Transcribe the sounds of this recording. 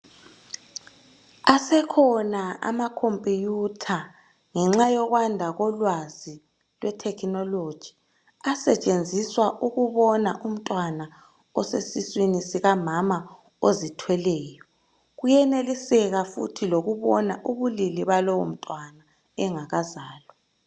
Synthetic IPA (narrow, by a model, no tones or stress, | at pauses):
asɛkʰɔnaa̰makʰompʼijutʰa | ŋɛŋ͡ǁajɔɣwandʱaɣɔlwazi | lwʔɛtʰɛkʰnɔlod̥ʒ̥ʱi | asɛt͡ʃʼend͡zʱiswaʔuɣuβɔnaʔum̩tʼwana | ɔsesiswinisiɣamama | ozitʰwɛlɛːjɔ | ɣujɛnelisɛɣafṵtʰiloɣuβɔnaʔuβuliliβalɔwo̰m̩tʼwana | ɛŋaɣazaːlɔ